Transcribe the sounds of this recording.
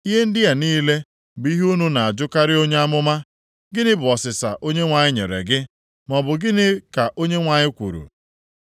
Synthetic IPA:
i˦ɦe˦n̩˦dɪ˦ja˨niː˦le˦ | bi˦ɦu˦nu˦na˨a˨d͡ʒʊ˦ka˦ɾɪ˦o˦ɲe˦a˦mʊ˦ma˦ | ɡɪ˦nɪ˦bʊ˨ɔ˨sɪ˨sa̰˨ʔo˦ɲe˦ŋʷa˨ɲɪ˦ɲḛ˨ɾḛ˨ɡɪ˦ | mɔ˨bʊ˨ɡɪ˦nɪ˦ka˨ʔo˦ɲe˦ŋʷa˨ɲɪ˦kʷṵ˨ɾṵ˨

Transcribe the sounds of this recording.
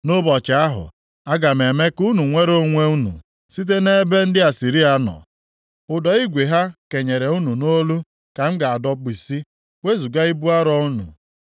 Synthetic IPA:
no˦bɔ˨t͡ʃɪ˨a˦ɦʊ̰˨ | a˦ɡa˨me˨me˦ku˦nu˨ŋʷe˦ɾo˦ŋʷe˦u˦nṵ˨ | si˦t̬e˦ne˦be˦n̩˦dɪ˦a˨si˨ɾi˦a˨nɔ̰˨ | ʊ˨dɔ˨i˦ɡʷe˨ɦa˦ke˨ɲe˨ɾe˨u˦nu˨no˦lu˦ | ka˨m̩˦ɡa˨a˨dɔ˦k͡pi˨si˦ | we˦zu˨ɡa˦i˦bu˦a˦ɾɔ˦u˦nṵ˨

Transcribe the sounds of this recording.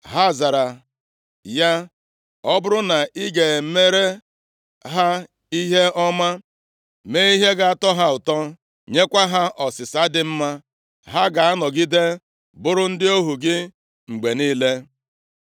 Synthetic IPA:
ɦa˦˨za˨ɾa˨ | ja˦ | ɔ˦bʊ˦ɾʊ˦na˨ʔi˦ɡe˨˦me˦ɾe˦ | ɦa˦ | i˦ɦe˦ɔ˦ma˦ | me˦i˦ɦe˦ɡa˨a˦˨tɔ˦ɦa˦ʊ˨tɔ˦ | ɲe˦kʷa˦ɦa˦ʔɔ˨sɪ˨sa˦dɪ˦m̩˦ma˦ | ɦa˦ɡa˨a˦nɔ˨ɡi˦de˦ | bʊ˦ɾʊ˦n̩˦dɪ˦o˦ɦu˨ɡɪ˦ | ŋ͡m̩˨ɡ͡be˨niː˦le˦

